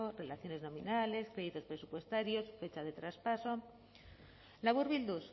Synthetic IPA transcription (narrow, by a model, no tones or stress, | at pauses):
ore̞laθjo̞ne̞znõ̞mĩnale̞skɾe̞ðit̪o̞spɾe̞supwe̞st̪aɾjo̞sfe̞t͡ʃaðe̞t̪ɾaspaso̞ | laβuɾβild̪us